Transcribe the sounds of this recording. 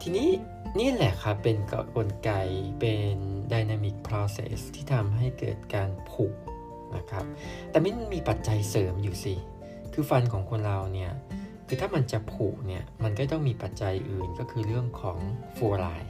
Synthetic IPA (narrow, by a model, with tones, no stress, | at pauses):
t̪ʰiː˧niː˦˥ | niː˥˩˨lɛ˨˩kʰa˦˥pːe˧nkko˧nka˧jpe˧ndaː˧jnaː˧mi˦˩k̚pʰɾɔː˧sḛ˧˩st̪ʰiː˥˩t̪ʰa˧mɦa˥˩jkɤ̰ː˨˩t̪̚kaː˧npʰuː˨˩k̚ | na̰˦˥kʰa˦˥p̚t̪ɛː˨˩ma˦˥ma˧nmiː˧pa˨˩t̪̚t͡ɕa˧jsɤː˩˦mjuː˨˩si˧ | kʰɯː˧fa˧nkʰɔː˩˦ŋkʰo˧nɾa˨˧wni˥˩ɐkʰɯː˧t̪ʰaː˥˩ma˧nt͡ɕa˨˩pʰuː˨˩k̚ni˥˩ɐma˧nkɔː˥˩t̪ɔ˥˩ŋmiː˧pa˨˩t̪̚t͡ɕa˧jʔɯː˨˩nkɔː˥˩kʰɯː˧ɾɯ˥˩əŋkʰɔː˩˦ŋfu˧˩ɾaː˧˩j